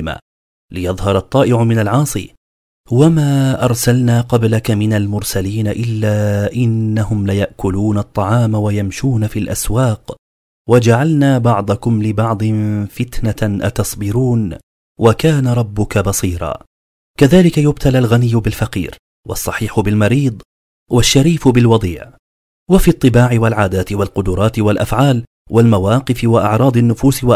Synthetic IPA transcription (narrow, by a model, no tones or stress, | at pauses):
ma̰ | lɪjɑðˤhɑɾˤɑt̪ˤːɑːʔɪʕʊmɪnalʕɑːsˤḭ | wamaːʔɑɾˤsalnaːqɑblakamɪnalmʊɾsaliːnaʔɪlːaːʔɪnːahʊmlɪjaʔkʊluːnɑt̪ˤːɑʕɑːmawajamʃuːnafilʔa̰swaːq | wad͡ʒaʕalnaːbɑʕd̪ˤɑkʊmlɪbɑʕd̪ˤfɪt̪naʔɑ̰t̪ɑsˤbɪɾuːn | wakaːnaɾˤɑbːʊkabɑsˤiːɾˤɑ̰ː | kaðaːlɪkajʊb̚t̪alalɣanɪjːʊbɪlfaqḭːɾ | wʔɑ̰sˤːɑħiːħʊbɪlmɑɾiːd̪ˤ | waʃːaɾiːfʊbɪlwɑd̪ˤiːʕ | wafiːt̪ˤːɨbaːʕɪwalʕaːd̪aːt̪ɪwalqʊd̪ʊɾˤɑːt̪ɪwalʔafʕaːl | wʔalmawɑːqɨfɪwaʔɑʕɾˤɑːd̪ˤanːʊfuːswa